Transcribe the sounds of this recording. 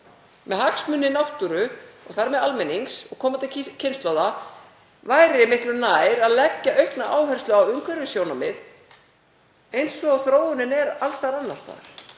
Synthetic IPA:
mɛðhaksmʏnːɪnawht̪uɾʏɔɣθaɾmɛðalmɛnːiŋksɔɣkʰɔːmat̪ɪcʰɪnst̪lowða | vaːjɾɪɪmɪht̪lʏnaːjɾaðlɛcːaʔœɥhpnaʔaːwɦɛr̥st̪lʏawʏŋkʰvɛɾɪsjoːwnamɪð | ejnsɔaɣθɾoːwðʏnɪnɛɾalst̪aɾanːast̪a̰ðɾ̥

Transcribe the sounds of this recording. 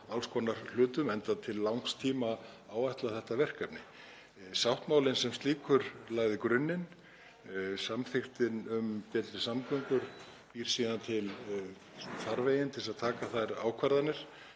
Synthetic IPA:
alskʰɔnaɾ̥lʏːt̪ʏmɛnt̪at̪ʰɪlːawŋst̪ʰiːma | aːwajht̪laθɛht̪avɛr̥kapnɪ | sawht̪maːwlɪnsɛmst̪liːkʰʏɾlaːɣðɪkɾʏnːɪn | samθɪxt̪ɪnʏmpɛːt̪ɾɪsamkʏŋkʏɾ̥ | piːɾ̥siːðant̪ʰɪl | θaɾvejɪnt̪ʰɪlsaðt̪ʰaːkaθaðɾa̰ːwkʰvaɾðanɪɾ̥

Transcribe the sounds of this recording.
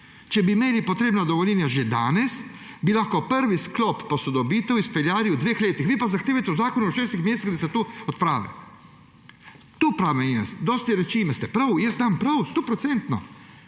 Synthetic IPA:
t͡ʃɛbimeːlipɔt̪ɾeːbnad̪ɔʋɔlʲɛnjaʒɛd̪aːnɛs | bilaxkɔpəɾʋisklɔpːɔsɔd̪ɔbiːt̪ɛwispɛljaːɾiud̪ʋeːxleːt̪ixʋiːpazaxt̪eːʋajt̪ɛwzaːkɔnuuʃɛːst̪ixmjeːst̪iɣd̪asɛt̪uːɔt̪̚pɾaːʋɛ̰ | t̪uːpɾaːʋɛnjɛsd̪ɔːst̪iɾɛt͡ʃiːmɛst̪ɛpɾawjɛsampɾawst̪opɾɔt̪sɛnt̪nɔ

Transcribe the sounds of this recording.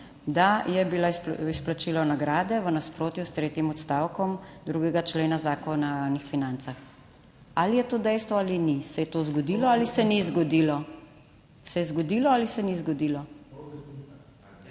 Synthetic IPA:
d̪ajɛbilaisplat͡ʃilɔnaɡɾaːd̪ɛʋənaspɾoːt̪just̪ɾeːt̪jimɔt̪st̪awkɔmd̪ɾuɡɛɡat͡ʃleːnazaːkɔnnixfinant̪sax | alijɛt̪oːd̪ɛjst̪ʋɔalinisɛjɛt̪oːzɡɔd̪ilɔalisɛnizɡɔd̪ilɔ | sɛjɛzɡɔd̪ilɔalisɛnizɡɔd̪ilɔ

